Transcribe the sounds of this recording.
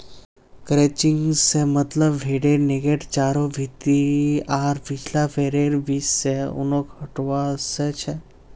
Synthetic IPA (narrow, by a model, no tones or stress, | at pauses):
kɾet͡ʃɪ̃ŋɡsemət̪ləbʋʱeːɖeɾneɡeʈt͡ʃaːɾobʱit̪iaːɾpɪt͡ʃʰlapʰeːɾeːɾʋiːsːeʊ̰nõkɐʈʋaset͡ʃʰɛ